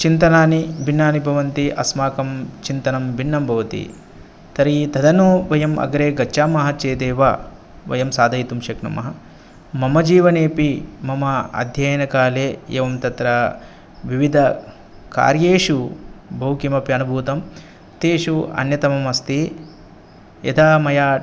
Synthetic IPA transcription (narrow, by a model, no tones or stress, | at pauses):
t͡ʃint̪ɐnaːnibʱinːaːnibʱɐʋɐnt̪iʔɐ̰smaːkɐmt͡ʃint̪ɐnɐmbʱinːɐmbʱɐʋɐt̪ḭ | t̪ɐɾit̪ɐd̪ʱɐnoːʋɐjɐmʔɐ̰ɡɐɾeːɡɐːt͡ʃːaːmɐɦɐt͡ʃeːd̪eːʋaː | ʋɐ̰jɐmsaːd̪ʱɐjt̪umʃɐknɐmɐɦɐ | mɐmɐd͡ʒiːʋɐneːpimɐmɐɐ̰d̪ʱjɐjɐnɐkaːleːḛːʋɐmt̪ɐt̪ɾɐ | ʋiʋid̪ʱɐ | ka̰ːɾjeːʃubʱɐɦukimɐpjɐnubʱuːt̪ɐm | t̪eːʃuɐ̰njɐt̪ɐmɐmɐst̪i | jɐ̰d̪aːmɐjaː